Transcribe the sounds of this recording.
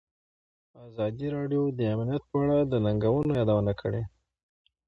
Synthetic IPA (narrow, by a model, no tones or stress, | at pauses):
azɑd̪iɾɑɖjod̪əamnijat̪̚pəaɽad̪ənaŋɡawənojɑd̪awənakʰəɽe